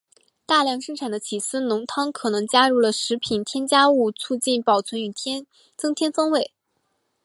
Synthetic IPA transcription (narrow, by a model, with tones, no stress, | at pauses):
t̪a˥˧ljɑ˥˧ŋʂɤ˥ŋʈ͡ʂʰa˨˩nd̪ə˦t͡ɕʰi˨˩sɹ̩˥nʊ˧˥ŋt̪ʰɑ˥ŋkʰɤ˨˩nɤ˧˥ŋt͡ɕja˥ɻu˥˩lə˩ʂɻ̩˧˥pʰi˨˩nt̪ʰjɛ˥nt͡ɕja˥u˥˧t͡sʰu˥˧t͡ɕi˥˩npɑ˨˩ʊt͡sʰwə˧˥ny˨˩t̪ʰɛ˥n | t͡sɤ˥ŋt̪ʰjɛ˥nfɑ˥ŋwe˥˩ɪ